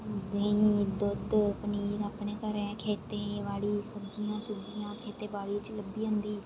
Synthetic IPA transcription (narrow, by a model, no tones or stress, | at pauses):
d̪eid̪ʊd̪pəniːɾəpnẽːkəɾẽkʰeːt̪ẽːʋaːɭiːsəbd͡ʒijãːsʊbd͡ʒɪjãːkʰeːt̪eːbaːɭiːt͡ʃləbiːɦʊ̃nd̪iː